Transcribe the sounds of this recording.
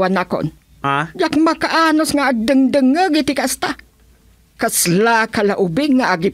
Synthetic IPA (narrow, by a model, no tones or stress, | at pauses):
anako̰n | ajakmakaʔanosŋaʔadəŋdəŋəɡit̪ikaʔst̪a | kaslakalaʔubɪɡŋːaʔaɡi